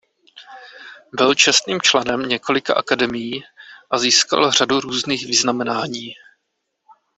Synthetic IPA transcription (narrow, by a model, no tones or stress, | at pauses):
bɪlt͡ʃɛst̪niːmt͡ʃlɛnɛmɲɛko̞lɪka̰ʔakadɛmɪjiːʔaziːska̰lr̝aduɾuːzniːxvɪznamɛnaːɲiː